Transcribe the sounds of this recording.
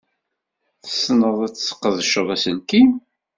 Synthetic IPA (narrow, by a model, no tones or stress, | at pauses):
θə̥snəðˤæt͡sːt͡sːə̥qːəðəʃəðˤæsənki